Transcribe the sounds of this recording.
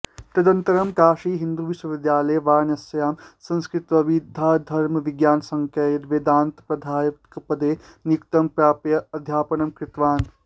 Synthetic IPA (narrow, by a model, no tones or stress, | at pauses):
t̪ɐd̪ɐnt̪ɐɾɐmkaːʂiːɦind̪uʋiswɐʋid̪jaːlɐjʋaːɾnɐsɐjaːmsɐ̃nskɾit̪ʋɐʋid̪ʱːaːd̪ʱɐɾmɐʋiɡjaːnsɐŋkɐt̪ʋeːd̪aːnt̪pɾɐd̪ʱaːjɐkɐpɐd̪eːnikt̪ɐmpɾjaːpjɐɐd̪ʱjaːpɐnɐmkɾit̪ʋaːn